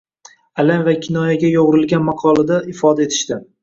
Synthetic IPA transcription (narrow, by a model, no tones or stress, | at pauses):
alanvakʲʰɪnɒjaɡʲajɒʁʊɾɪlɡʲanmɑqʰɒlˠad̪aʔɪfɒd̪aet̪ʰɪ̥ʃt̪ɪ